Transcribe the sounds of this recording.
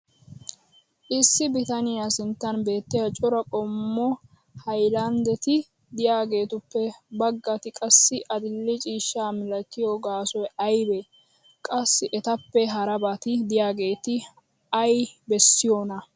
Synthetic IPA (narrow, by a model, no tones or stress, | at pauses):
ʔɪsːɪbɪt̪ɐnɪjasɪnt̪ːɐnbe̞ːt̪ːɪjɐt͡ʃʼɔɾɐkʼɔmːɔ | hɐjlɐnd̪ɛt̪ɪ | d̪ɪjaːɡe̞ːt̪ʊpːɛbɐɡːɐt̪ɪkʼɐsːɪʔɐd̪ɪlːɪt͡ʃʼiːʃːaːmɪlɐkːɪjoɡaːsɔjɐjbe | kʼɐsːɪʔɛt̪ɐpːɛɦɐɾɐbɐt̪ɪd̪ɪjaːɡe̞ːt̪ɪ | ɐjbɛsːɪjonɐ